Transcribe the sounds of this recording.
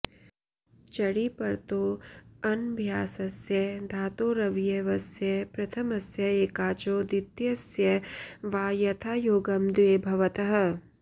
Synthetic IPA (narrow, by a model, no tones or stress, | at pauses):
t͡ʃɐɽipɐɾt̪oːɐnbʱjaːsɐsjɐd̪ʱaːt̪oːɾɐʋjɐʋɐsjɐpɾɐt̪ʰɐmɐsjɐeːkaːt͡ʃoːd̪it̪jɐsjɐʋaːjɐt̪ʰaːjoːɡɐmd̪eːbʱɐʋɐt̪ɐɦɐ̆